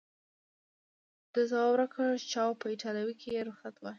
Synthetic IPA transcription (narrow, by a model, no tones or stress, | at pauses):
d̪̥əzawɑbɾakʰat͡ʃɑwpəiʈɑlawikʰejeɾʊxat̪wa